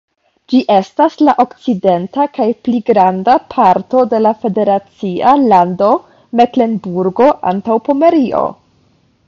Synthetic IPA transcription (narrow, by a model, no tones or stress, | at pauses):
d͡ʒiʔe̞staslaʔo̞kt͡side̞ntakajpliɡɾandapʰaɾto̞de̞lafe̞de̞ɾat͡sialando̞ | me̞kle̞nbuɾɡo̞ʔa̰ntawpo̞me̞ɾio̞̰